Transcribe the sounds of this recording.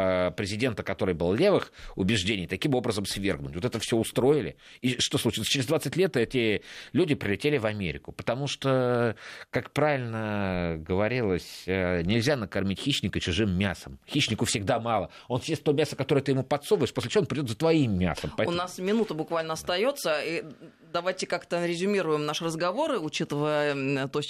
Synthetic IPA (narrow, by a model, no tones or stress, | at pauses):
pɾʲɪzʲɪdʲe̞nt̪əkɐt̪o̞ɾɨjbɨlˠlʲe̞vɨxʊbʲɪʐdʲenʲɪjt̪ɐkʲimo̞bɾəzəmsvʲe̞̰rɡnʊtʲvo̞t̪ɛt̪əfsʲoʊst̪ɾo̞ɪlʲɪ̰ | iʂt̪o̞slˠʊt͡ɕilˠsət͡ɕɪɾɪzd̪vat̪sɨtʲlʲe̞t̪ɛtʲɪlʲudʲɪpɾʲɪlʲɪtʲelʲɪvɐmʲḛɾʲɪkʊpə̥t̪ɐmuʂt̪o | kakpɾavʲɪlʲnəɡəvɐɾʲilˠəsʲənʲɪlʲzʲanəkɐrmʲitʲxʲiɕnʲɪkət͡ɕʊʐɨmːʲa̰səmxʲiɕnʲɪkʊfsʲɪɡd̪amɑlˠə | o̞nsʲjʲesʲt̪omʲasəkɐt̪o̞ɾəjət̪ɨjɪmupɐt̪sovəɪʂposʲlʲɪt͡ɕɪvonpɾʲɪdʲot̪zət̪vɐimːʲa̰səmpɐʊnasmʲɪnut̪əbʊkvalʲnəɐst̪ɐjo̞t̪səi | d̪ɐvajtʲɪkakt̪əɾʲɪzʲʊmʲiɾʊjɪmnaʂɨrəzɡɐvo̞ɾɨʊt͡ɕit̪əvəjət̪osʲ